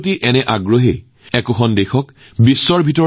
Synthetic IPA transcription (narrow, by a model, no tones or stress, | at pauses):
t̬iʔɛnɛʔaɡɹoɦe | ɛkʊxɔndexɔk | bisːɔɹbʱitɔ